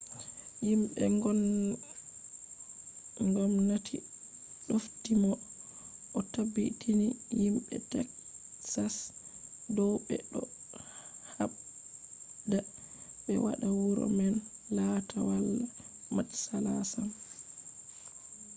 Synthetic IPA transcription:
jimɓɛɡɔn | ŋɡɔmnatʰi | ɗoftimɔ | ʔɔtabitʰinihimɓɛ̰tɛk | sas | dɔɓɛ̰ɗɔ | haɓ | da | ɓɛ̰wa̰ɗawuɾɔ̰mɛnlatʰawalːa | mat͡ʃsalasan

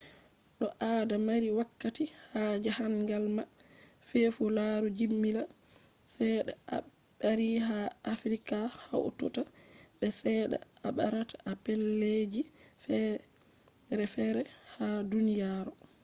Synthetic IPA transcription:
ɗɔʔaːdamaɾiwakːatihad͡ʒahaŋɡalmafɛfulaɾud͡ʒimːila | sɛɗa̰ʔa̰ | ɓaɾiɦaːfɾikaha̰wtɔ̰taɓɛsɛɗa̰aɓaɾatḁʔapelːed͡ʒifɛ | ɾɛfɛɾɛhadunijaɾɔ

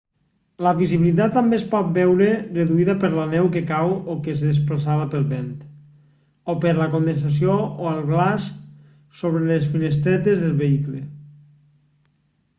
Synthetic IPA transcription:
ləβiziβilit̪̬at̪ːambespɔt̪̚bɛwɾereðuiðəpəɾlanɛwkekawokesðesplasaðəpəlˠβent̪ | opeɾləkond̪ens̬as̬iooalˠɣlas | soβɾelesfinest̪ɾɛt̪ezðelˠβeikle

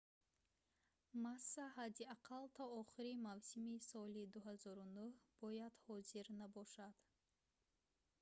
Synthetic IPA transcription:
masːaɦad̪iaqʰalt̪ʰɔɔχiɾimavsimisɔlid̪uɦazɔɾunuhb̥ɔjad̪hɔziɾnabɔʃad̪̥

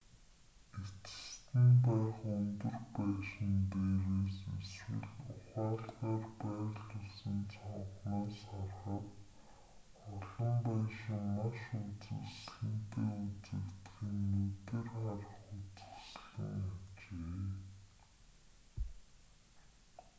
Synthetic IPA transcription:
et͡sɘ̥̆st̪ɘ̆npæːχɵnt̪ɵ̆rpæːʃɪ̆nt̪eːɾeːseswɘ̰̆ɮʊχaːɮɢaːrpæːɮʊɮsə̆nt͡sʰɔɴχnaːsχarχə̆t̪ | ɔɮɞ̆mpæːʃɪ̆ŋmaʃut͡sɘ̰̆sɮɘ̆nt̪eːut͡sɘ̆kt̪ɡiːŋnɵt̪ɘ̆rχar̆χʊt͡sə̥̆sɮə̰̆ŋat͡ɕeː

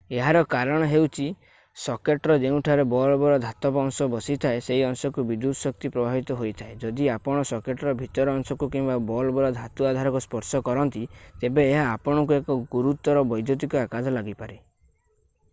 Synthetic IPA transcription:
eɦaɾɔkaɾɔɽ̃ɔɦewt͡ʃʰi | sɔkeʈɾɔd͡ʒeũʈʰaɾebɔlɔbɔɾɔd̪ʱat̪ɔpɔŋsɔbɔsit̪ʰaeseiɔŋsɔkubid̪ud̪ʱɔsɔk̚t̪ipɾɔbʱabit̪ɔɦojt̪ʰaed͡ʒɔd̪iapɔɽ̃ɔsɔkeʈɔɾɔbʱit̪ɔɾɔːŋsɔkukimbabɔlɔbɔɾɔd̪ʱat̪uad̪ʱaɾɔkuspɔɾsɔkɔɾɔnt̪it̪ebeːɦaːpɔɽ̃ɔkuekɔɡuɾut̪ɔɾɔbɔjd̪ʱjot̪̬ikɔakad̪ʱɔlaɡipaɾe

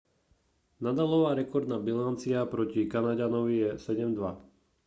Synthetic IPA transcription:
nad̪alɔʋaːɾɛkɔɾd̪naːbilant͡siapɾɔcikanaɟanɔʋijɛsɛɟɛmd̪ʋa

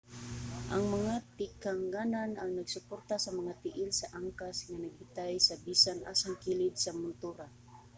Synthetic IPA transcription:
ʔaŋmaŋat̪ɪkaŋɡananaŋnaɡsʊport̪asamaŋat̪ɪʔɪlsaʔaŋkasŋanaɡ̚ɪt̪ajsabisanʔa̰saŋkilɪd̪samʊnt̪uɾa

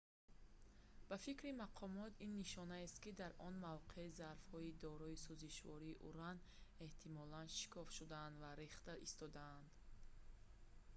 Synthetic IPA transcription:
b̥afikɾimaqʰɔmɔt̪ʰinːiʃɔnaest̪kid̪aɾʔɔnmavqʰeizaɾfhɔid̪ɔɾɔisuziʃvɔ̰ɾiːʔṵɾan | e̞ht̪ʰimɔlanʃi̥kʰɔfʃud̪aːnd̪vaɾeχt̪aʔist̪ɔd̪aːnd̪

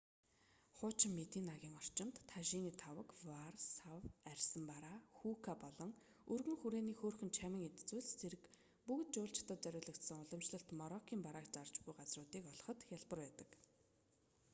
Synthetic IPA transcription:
χʊːt͡ɕɪ̆mːet̪iːnaɣʲiːŋɔr̥t͡ɕɪ̆mt̪ʰːaʃiːniːt̪ʰawə̆kwarsawærʲsə̆mpaɾaːxuːkʰapɔɮɞ̆ŋ | ɵrɣɘ̆ŋxuɾeːniːxoːrxɘ̆nt͡ɕʰæmʲə̆ŋet̪t͡swŭːɮt͡sʰeɾɘ̆k | pukt̪̚t͡ɕʊːɬt͡ɕt̪ə̆t̪̚t͡sœɾʲʊːɮə̆kt̪sə̆ŋʊɮɞ̆mt͡ɕɮə̆ɬt̪mɔɾɔkʲʰiːmpaɾaːkt͡sart͡ɕɡujɢat͡srʊːt̪iːkɔɮɞ̆χɞ̆t̪xjaɮpə̆rpæːt̪ə̥̆k

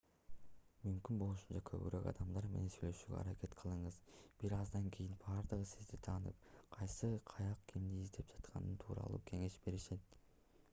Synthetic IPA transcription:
mymkynbo̞lˠuʃu̥nt͡ʃɑkʰøβy̰ɾø̰kɑ̰d̪ɑmd̪ɑɾme̞ne̞nsyjlø̞ʃyːɡʲø̰ɑ̰ɾɑke̞t̪qʰɯlˠɯɴɯzb̥iɾɑzd̪ɑŋkʲʰijinbɑːɾd̪ɯʁɯsizd̪it̪ʰɑːnɯp̚qʰɑjsɯqʰɑjɑqkʲʰimd̪iizd̪e̞p̚d͡ʒɑt̪qʰɑ̰nɯnt̪ʰuːɾɑ̰lˠṵːkʰe̞ŋe̞ʃbe̞ɾiʃe̞t̪

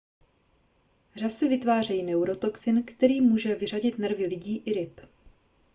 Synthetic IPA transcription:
r̝asɛvɪt̪vaːr̝ɛjinɛwɾo̞t̪o̞ksɪnkt̪ɛɾiːmuːʒɛvɪr̝aɟɪt̪nr̩vɪlɪɟiːʔɪɾɪp

